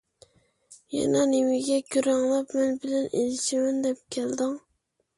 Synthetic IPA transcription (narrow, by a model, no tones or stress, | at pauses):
jɛ̰nɑnewɪɡʲɛɡʲyɾɑŋlˠɑpmɛnbɪlɛnʔelɪʃɪmɪnd̪ɛp̚kʲʰɛld̪ɪŋ